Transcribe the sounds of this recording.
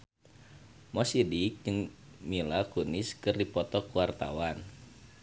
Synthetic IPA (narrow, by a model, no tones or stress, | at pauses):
mɔsidik̚d͡ʒɨŋmilakunɪskɨrdipɔt̪ɔkuwart̪a̰wan